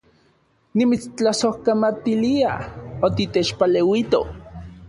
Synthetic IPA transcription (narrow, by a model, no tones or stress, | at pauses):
nimit͡st͡ɬasohkamat̪iliaot̪it̪et͡ʃpalewit̪o